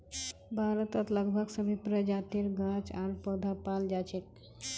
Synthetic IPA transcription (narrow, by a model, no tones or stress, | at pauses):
bʱaɾət̪ət̪ləɡbʱəɡsəbʱipɾəd͡ʒat̪iɾɡãt͡ʃaɾpəd̪ʱapald͡ʒat͡ʃet̪̚